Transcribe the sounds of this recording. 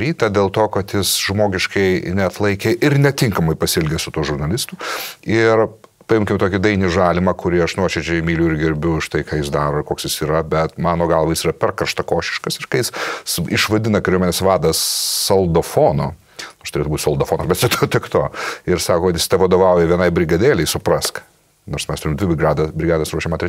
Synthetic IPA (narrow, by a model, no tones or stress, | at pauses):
ɾʲiːt̪ɐd̪ʲeːlˠt̪oːkɐt̪jɪsʒmoːɡʲɪʃkɐɪnʲɛɐt̪lˠɐɪkʲeʔɪɾnʲɛt̪ʲɪŋkɐmɐɪpɐsʲɪlʲɡʲɛsʊt̪uɔʒʊɾnɐlʲɪst̪ʊɪr | pɐɪmʲkʲɪmt̪oːkʲɪd̪ɐɪnʲɪʒɑːlʲɪmɐːkʊɾʲɪɐʃnuɔt͡ʃʲɛd͡ʒʲɛɪmʲiːlʲuːɪɾɡʲɪɾʲbʲʊɪʃt̪ɐɪkɑːjɪsd̪ɑːɾoːkoːksjɪsiːɾɐbʲɛt̪mɑːnoːɡɐlˠʋɐjɪsiːɾɐpʲɛrkɐrʃt̪ɐkoːʃʲɪ̥ʃkɐsɪɾkɐɪjɪsɪʃʋɐd̪ʲɪnɐkɐɾʲuɔmʲɛnʲeːsʋɑːd̪ɐssɐlˠd̪ofoːnoː | noːst̪ʊɾeːt̪ʊbuːt̪ʲsɐlˠd̪oːfoːnɐsbʲɛt̪t͡ʃʲɛt̪oːt̪ʲɪkt̪oːɪɾsɑːkoːkɐt̪jɪst̪ɐʋɐd̪oːʋɐʊjɛʋʲiɛnɐɪbʲɾʲɪɡɐd̪ʲeːlʲɛɪsʊpɾɐsk | noːɾsmʲɛst̪ʊɾʲɪmd̪ʲʋʲɪbʲɪɡɑːd̪ɐbʲɾʲɪɡɑːd̪ɐsɾuɔʃɛmɐnt̪ɾʲɛ